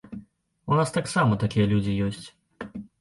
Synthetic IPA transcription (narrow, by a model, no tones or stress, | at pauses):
unast̪aksamɐt̪akʲijɐlʲud͡zʲijɔsʲt͡sʲ